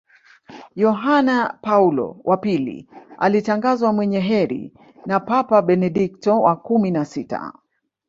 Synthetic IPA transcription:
jɔɦanapaulɔ̰wʔapilḭa̰litaŋɡazwamwɛɲɛɦɛɾḭ | napapaɓɛnɛɗik̚tɔwakuminasita̰

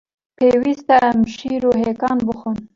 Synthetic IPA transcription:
peːwist̪aamʃiːɾoːɦeːkɑːnbəxun

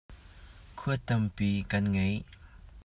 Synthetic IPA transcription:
kʰuət̪ɐmpiːkɐnŋej

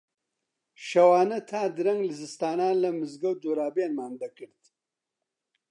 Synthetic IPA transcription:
ʃɐwaːnɐt̪ʰaːd̪ɨɾɐŋɡlɨzɨst̪aːnaːnlɐmɨzɡɐwd̪oːɾaːbeːnmaːnd̪ɐkɨɾt̪

